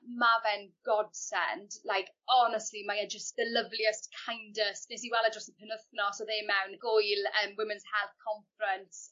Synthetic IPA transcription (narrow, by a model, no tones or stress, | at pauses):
mavɛnɡ̥ɔd̥sɛ̰ndlajkʰ | ɔnəstlimajɛd͡ʒəstd̥ələvliəstkʰajndəstnɛsiwɛlˠadrɔstənpʰənəθnɔsoðeːmɛwnɡ̥ʊjləːmwɪmɪnz̥hɛlˠθkʰɔɱfɾəntss